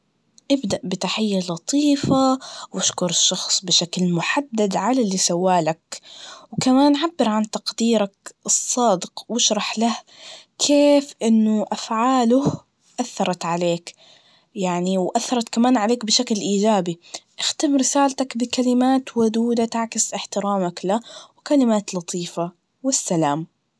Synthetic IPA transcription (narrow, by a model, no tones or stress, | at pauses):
ʔɪbd̪aʔbɪt̪aħɪjːalɑt̪ˤiːfawʔaʃkʊɾˤɪʃːɑxsˤbɪʃaklmʊħad̪ːad̪ʕalalːisawːaːlakwkamaːnʕabːɪɾʕant̪ɑqd̪iːɾakɨsˤːɑːd̪ɪqwɪʃɾˤɑħlah | kʰeːfʔɪnːʊʔafʕaːlʊh | ʔaθːɑɾˤɑt̪ʕaleːk | jaʕniwʔaθːɑɾˤɑt̪kamaːnʕaleːkbɪʃaklʔiːd͡ʒaːbiʔɪxt̪ɪmɾɪsaːlt̪akbɪkalɪmaːt̪wʊd̪uːd̪at̪aʕkɪsʔɪħt̪ɪɾaːmaklawkalɪmaːt̪lɑt̪ˤʰiːfa | wɪsːalaːm